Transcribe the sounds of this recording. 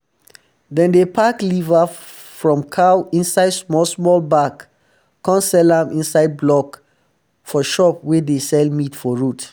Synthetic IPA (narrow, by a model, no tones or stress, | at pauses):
dɛ̃ndepʰakliva | fɹɔ̃mkʰawĩnsaɪdsmɔlsmɔlbakʰː | ɔ̃nsɛlãmʔĩnsaɪd̚blɔk | fɔʃɔp̚wɛdesɛlmitfɔɹut